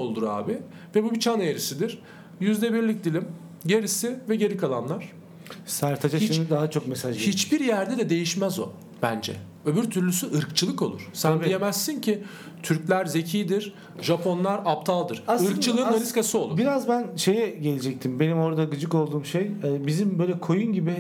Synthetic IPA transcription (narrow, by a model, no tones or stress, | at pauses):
olˠd̪uɾa̰ːbɪ | vɛbubit͡ʃʰaneɾisid̪iɾ̥ | jyzd̪ɛbiɾlʲic̚d̪ilʲim | ɟe̞ɾisivɛɟe̞ɾikʰalˠanlˠaɾ̝̥ | sæɾt̪ʰad͡ʒaʃimd̪id̪aɦat͡ʃʰo̞kmesaʒit͡ʃbiɾjæɾd̪ɛd̪ɛd̪e̞jiʃmæzo̰ | b̥ænd͡ʒɛ̰ | øbyɾt̪ʰyɾlʲysyɯɾkt͡ʃʰɯlˠɯko̞lˠṵɾ̥sænijemɛsːincʰi | t̪ʰyɾclʲæɾze̞cʰijd̪iɾ | ʒapʰo̞nlˠaɾap̚t̪ʰalˠd̪ɯɾ̥ɯɾkt͡ʃʰɯlˠɯːnaɾiskasɯo̞lˠuiɾazbænʃe̞jɛɟe̞lʲid͡ʒɛc̚t̪ʰimbe̞nimo̞ɾd̪aɡɯd͡ʒɯko̞lˠd̪uːmʃejɛːbizimbøjlʲɛkʰo̞junɟibɪ